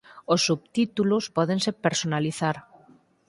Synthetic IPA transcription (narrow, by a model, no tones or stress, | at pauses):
osːuβ̚t̪it̪ulospɔðensepeɾsonaliθaɾ